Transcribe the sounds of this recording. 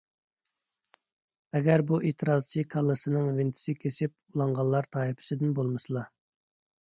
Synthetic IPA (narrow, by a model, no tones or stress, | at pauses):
ɛɡʲæɾbuʔet̪ʰɨɾɑzt͡ʃʰikʰɑlˠːɨsɨnɨŋvɪnt̪ʰɪ̥sɪkʲʰesɪp̚ulˠɑɴʁɑllːˠɑɾt̪ʰɑːipʰɪ̥sɪd̪ɪnbolˠmɨsɨlˠɑ